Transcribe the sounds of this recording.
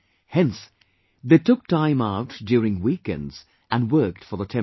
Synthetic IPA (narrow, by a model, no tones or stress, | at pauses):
hɛ̃ns | ðeɪtʰʊk̚tʰãɪ̃maʊtd̥ʊɹɪ̃ŋwikɛ̰̃ndz̥ | ʔɨ̃nwɜ˞k̚tfə˞ðətʰɛ̃